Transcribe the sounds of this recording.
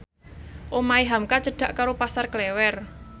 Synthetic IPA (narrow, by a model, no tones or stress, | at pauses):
ʔomaiɦamkat͡ʃəɖ̥ä̤ʔkaɾopasarklɛwɛr